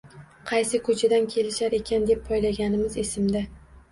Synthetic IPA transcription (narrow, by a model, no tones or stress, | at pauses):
qʰɑjsɪkʰʊt͡ʃʰad̪ankʲʰe̞lɪʃaɾe̞kʲʰand̪e̞pʰːɒjlaɡʲanɪmɪzesɪmd̪a